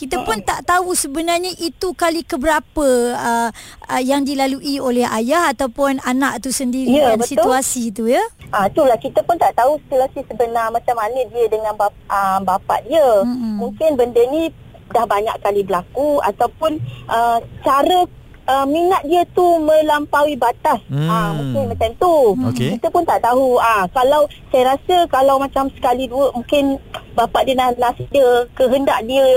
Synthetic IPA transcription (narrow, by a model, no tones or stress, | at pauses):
kit̪əpʊnt̪aʔt̪ausəbənarɲəʔit̪ukalikəbəɾapəəəjaŋdilaluʔiolɛɦa̰jahat̪awpʊnanaʔt̪usəndiɾiədanbəsit̪uasit̪̬ujəʔat̪ulahkit̪əpʊnt̪aʔt̪ausi̥t̪uasisəbənarmat͡ʃamːanədiədəŋãnba | ʔəbapa̰ʔdiəmuŋkɪnbəndəni | dahbaɲa̰ʔkalibəlakua̰t̪awpʊnʔət͡ʃaɾə | əmiŋat̪̚diət̪umə̃lampawibat̪asaokɪmat͡ʃamt̪uokit̪əpʊnt̪aʔt̪aɦuakalaw | sajaɾasəkalawmat͡ʃamsə̥kaliduəʔmũŋkɪnbapaʔdiənanasidiəkəɦəndaʔdiə